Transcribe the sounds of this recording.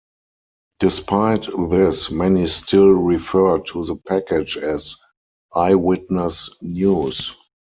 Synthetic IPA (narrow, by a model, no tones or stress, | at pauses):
d̥ɪspʰaɪtðɪsmɛnistʰɪlɹifɜ˞tʰuðəpʰækɪd͡ʒɛz | ʔaɪwɪtnəsnjuːs